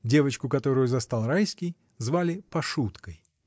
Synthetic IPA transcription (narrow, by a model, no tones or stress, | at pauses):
dʲe̞vət͡ɕkʊkɐt̪o̞ɾʊjʊzɐst̪alˠrajskʲɪj | zvalʲɪpɐʂut̪kəj